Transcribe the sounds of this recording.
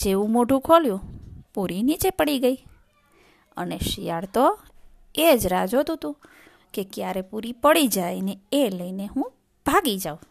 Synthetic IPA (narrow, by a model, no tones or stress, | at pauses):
d͡ʒeʋũmoʈũkʰoljũpuɾinit͡ʃepəɽiɡəi | ə̰neʃijaɽt̪o | ed͡ʒɾad͡ʒot̪ũt̪ũ | kekjaɾepuɾipəɽid͡ʒajneeləineɦũ | b̥ʱaɡid͡ʒaũ